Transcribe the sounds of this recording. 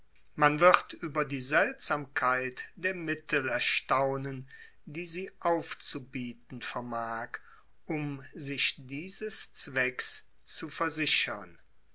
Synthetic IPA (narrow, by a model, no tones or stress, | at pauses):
manvɪʁtʔyːbɐdiːzɛltz̥aːmkʰaɪtd̥eːɐmɪtʰəl̩ɛɐʃtaʊnən | diːziːʔaʊft͡subiːtn̩fɛɐmaːk | ʔʊmzɪʃd̥iːzəst͡sv̥ɛks | t͡sufɛɐzɪɕɐn